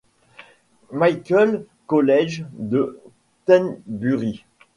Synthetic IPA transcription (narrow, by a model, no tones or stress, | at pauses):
majkʲəl | kɔlɛʒd̪ə | t̪ɛnbyʁi